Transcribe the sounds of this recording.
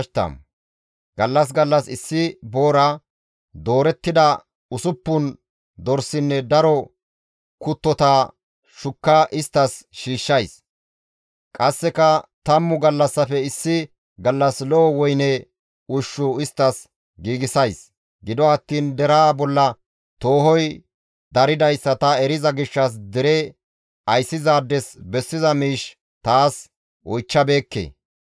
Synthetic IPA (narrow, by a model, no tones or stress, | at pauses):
t̪ɐ̰m | ɡ̥ɐlːɐs̬ɡɐlːɐsɪsːɪbo̞ːɾa | d̪o̞ːɾɛt̪ːɪd̪ɐ | ʊsʊpːʊn | d̪ɔɾsɪnːɛd̪ɐɾɔ | kʊt̪ːɔt̪aː | ʃʊkːaːʔɪst̪ːɐsʃiːʃːɐjs | kʼɐsːɛkɐt̪ɐmːʊɡɐlːɐsːɐfɛɪsːɪ | ɡɐlːɐsloːwɔjnɛ | ʊʃːʊɪst̪ːɐs | ɡiːɡɪsɐjs | ɡɪd̪ɔɐt̪ːiːnd̪ɛɾaːbɔlːɐ | t̪o̞ːhɔj | d̪ɐɾɪd̪ɐjsːɐt̪ɐɛɾɪzɐɡɪʃːɐs̬d̪ɪɾɛ | ɐjsːɪzaːd̪ːɛsbɛsːɪzɐmiːʃ | t̪aːs | ɔjt͡ʃːɐbe̞ːkːḛː